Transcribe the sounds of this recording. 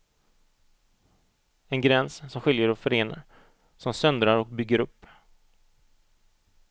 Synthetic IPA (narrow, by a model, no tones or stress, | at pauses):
ɛnɡɾɛnssɔmɧɪljəɾɔfœɾeːna̰ɾ | sɔmsœnd̪ɾaɾɔk̚bʏɡːəɾɵpː